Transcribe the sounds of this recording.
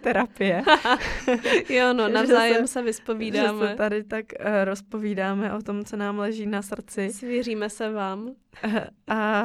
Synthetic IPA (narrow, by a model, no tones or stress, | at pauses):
t̪ɛɾapɪjɛ | jononavzaːjɛmsɛvɪspo̞viːdaɛːsmɛt̪adɪt̪akɾospo̞viːdaːmɛʔo̞t̪o̞mt͡sonaːmlɛʒiːnasr̩t͡sɪsviriːmɛsɛvaːm | ʔa